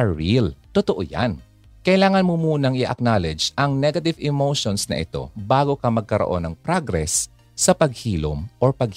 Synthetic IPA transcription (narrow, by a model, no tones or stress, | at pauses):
ɹilt̪ot̪oʔo̰ja̰n | kɐʔɪlaːŋɐnmomuːnɐŋɪʔɐ̰k̚naːlɛd͡ʒʔɐŋnɛɡɐt̪ɪvɪmowʃonsnɐ̰ʔɪ̰t̪o̞̰baːɡokɐmɐɡ̚kɐɾo̰ʔo̞̰nɐŋpɾaɡɾɛsː | ɐpɐɡ̚hiːlo̰mʔoɹpɐɡ̚